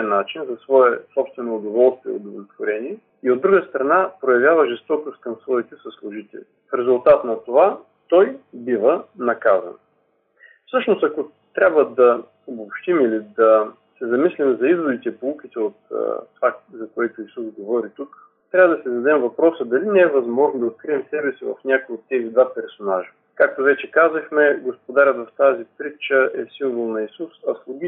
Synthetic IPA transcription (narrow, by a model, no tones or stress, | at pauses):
ɛnːat͡ʃinzɐsvɔɛsɔpst̪vɛnoːd̪ovɔlˠst̪viɛ̰od̪ovlʲɛt̪voɾɛniɛ | iod̪ːɾuɡəst̪ɾɐnapɾojɐvʲjavəʒɛst̪ɔk̪ʊst̪̚kɐmsvɔit̪ɛsɐslˠʊʒit̪ɛ̰lḭ | fɾɛzʊlˠt̪at̪nɐt̪ova | t̪ɔjbivənɐkazɐ̰n | fsɤʃnost̪ɐko | t̪ɾʲabvəd̪ɐ | obopʃt̪imilid̪ɐ | sɛzɐmislimzɐizvod̪it̪ɛpoukit̪ɛot̪ːvazɐkoɛt̪ʊisuzɡovɔɾit̪uk | t̪ɾʲavəd̪ɐsɛzɐd̪ɛmvɐpɾɔsəd̪ɐlinɛːvɐzmɔʒnod̪ɐot̪̚kɾiɛmsɛbɛsivɐ̰fnʲakojot̪ːɛɣd̪vapɛɾsonaʒə | kak̚t̪ovɛt͡ʃɛkazɐxmɛɡospod̪aɾʲət̪vɐft̪azipɾit͡ʃəʔɛsiɱvolˠnɐisusɐslˠʊɡʲi